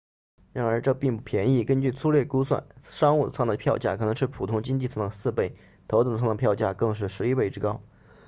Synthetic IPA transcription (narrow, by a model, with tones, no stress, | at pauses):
ɻa˧˥nə˞˧˥ʈ͡ʂɤ˥˧pi˥˧ŋpu˥˩pʰjɛ˧˥ni˥˩kə˥nt͡ɕy˥˩t͡sʰu˥ljɛ˥˩ku˥swa̰˥˩nʂɑ˥ŋu˥˩t͡sʰɑ˥˩d̪ə˩pʰjɑ˥˧ʊt͡ɕja̰˥˩kʰɤ˨˩ɤ˧˥ŋʂɻ̩˥˩pʰu˨˩t̪ʰʊ˥ŋt͡ɕi˥ŋt͡ɕi˥˧t͡sʰɑ˥˩nd̪ə˩sɹ̩˥˧pe˥˩ɪ | t̪ʰo˧˥ʊʊ˧˩ŋʰ˩ɑ˥˩n˧pʰjɑ˥˧ʊt͡ɕja̰˥˩kɤ˥˧ŋʂ̬ɻ̩˥˩ʂɻ̩˧˥i˥pe˥˧ɪʈ͡ʂɻ̩˥kɑ˥ʊ